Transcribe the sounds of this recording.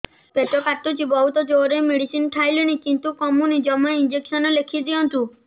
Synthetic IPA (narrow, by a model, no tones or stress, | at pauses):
peʈɔkaʈːut͡ʃʰibɔɦut̪ɔd͡ʒoɾemiɽisinʈʰajlinikint̪ukɔmunid͡ʒɔmɔind͡ʒeksɔnɔlekʰid̪iɔnt̪u